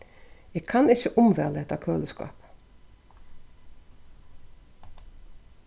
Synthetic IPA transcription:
eːɡkʰɑnɪçəʔʊmʋɛləɛt̪ɑkʰøːləskɑ̰ːp

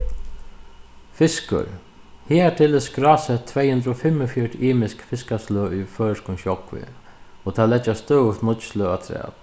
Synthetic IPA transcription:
fɪskʏ̰ɾ | hiːɛʈʰɪlɪskɾaːsɛt̪ʰːvɛːjhʉnd̪ɾɔfɪmɔfjœʈiːmɪskfɪskasløːufœːɪskʊçɔkvɪ̰ɔt̪ʰaːlɛt͡ʃːast̪œːʊt̪nʊt̪slœːat̪ʰɾɛ̰ːt̪

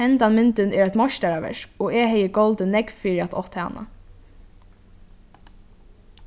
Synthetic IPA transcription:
ɛnt̪anmɪnt̪ɪnɛːɾæt̪mɔʃt̪aɾaʋɛ̰ʃɔːɛːɦɛjəɡɔlt̪ənɛkfiːɹiat̪ɔht̪ha̰na̰

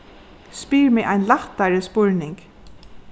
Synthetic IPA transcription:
spiːɹmɛʔajnlaht̪aɹəspʊɹnɪŋk

